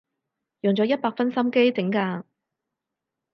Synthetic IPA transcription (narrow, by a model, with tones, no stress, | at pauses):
jɔ˨˩ŋt͡sɔ˨˥jɐ˥t̚paː˧k̚fɐ˥nsɐ˥mke˥jt͡sɪ˨˥ŋkaː˧